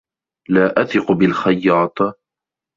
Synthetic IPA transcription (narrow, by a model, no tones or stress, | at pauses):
laːʔaθɪqʊbɪlxɑjːɑːt̪ˤ